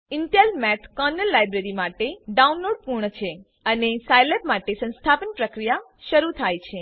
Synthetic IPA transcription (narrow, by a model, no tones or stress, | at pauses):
ɪɳʈelmɛʈkɔnəlːajbɾeɾimaʈeɖaunloɽpuɾɳət͡ʃʰe | ənesajlepmaʈesə̃nst̪ʰapənpɾəkɾijaʃəɾut̪ʰajt͡ʃʰe